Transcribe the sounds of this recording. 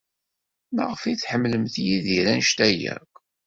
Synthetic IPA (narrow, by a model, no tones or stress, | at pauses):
ma̰ʁəfiθħəmːləmθjiðiɾænʃt̪æjæ̰kʷ